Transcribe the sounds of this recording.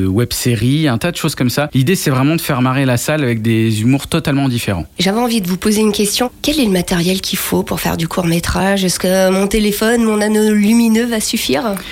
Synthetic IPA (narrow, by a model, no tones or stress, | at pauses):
əwɛb̥seʁiɛ̃t̪ad̪əʃoz̥kɔmsalid̪esɛvʁɛmɑ̃d̪əfɛʁmaʁelasalavɛk̚d̪ezymuʁt̪ɔt̪almɑ̃d̪ifeʁɑ̰̃ʒavɛɑ̃vid̪əvupozeynkʲɛst̪jɔ̃kʲɛlɛləmat̪ɛʁjɛlkʲʰifopuʁfɛ̰ʁd̪ykʰuʁmet̪χaʒɛskəmɔ̃t̪elefɔnmɔ̃nanolyminøvasyfiːʁ